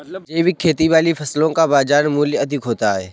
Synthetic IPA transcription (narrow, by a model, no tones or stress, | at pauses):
d͡ʒeːbɪkʰːeːt̪iʋaːlifʰɐslõkabaːd͡ʒaːnmuːljɐd̪ʱɪkɦoːt̪aːɦeː